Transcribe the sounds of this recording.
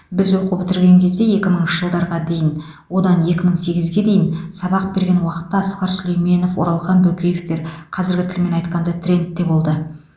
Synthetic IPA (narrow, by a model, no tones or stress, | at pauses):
bɪzwo̞qubɪt̪ɪɾɡʲe̞ŋkʲʰezd̪e̞je̞kʲɪməɴənʃəʒəlˠd̪ɑɾʁɑd̪e̞jɪn | wo̞d̪ɑnje̞kʲɪməɴse̞ɡʲɪzɡʲe̞d̪e̞jɪnsɑbɑq̚be̞ɾɡʲe̞nwɑqə̥t̪ːɑːsqɑɾsʏle̞jme̞no̞fwo̞ɾɑlˠʁɑnbɵkʲejeft̪e̞ɾqʰɑzɪɾɡʲɪt̪ʰɪlme̞nɑjt̪qɑnd̪ɑt̪ʰrʲe̞nt̪ːe̞bo̞lˠd̪ə